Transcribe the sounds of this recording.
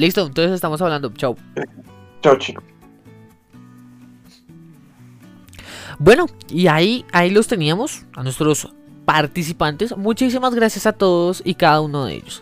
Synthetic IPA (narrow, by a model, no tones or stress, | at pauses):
list̪oent̪onsese̞st̪amos̬aβland̪ot͡ʃaw | t͡ʃawt͡ʃi | bwe̞no̞iaiailo̞st̪e̞niamo̞sanwe̞st̪ɾo̞s | paɾt̪is̬ipant̪e̞smut͡ʃis̬imazɡɾasjasat̪o̞ðosikaðaunoðḛḛʎo̥s